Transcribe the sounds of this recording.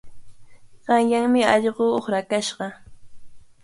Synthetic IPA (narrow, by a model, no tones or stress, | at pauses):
ɢ̥ɑŋjaŋmɪɑʎɢooχɾakaʃɢɑ